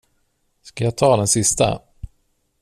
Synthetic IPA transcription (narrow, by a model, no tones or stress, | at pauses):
skajaːt̪ʰɑːd̪ɛnsɪst̪a̰